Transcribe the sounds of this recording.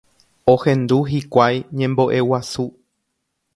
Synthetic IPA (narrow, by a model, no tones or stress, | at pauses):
ohẽ̞nd̪uɦikʷajɲẽ̞mbo̞ʔe̞wasu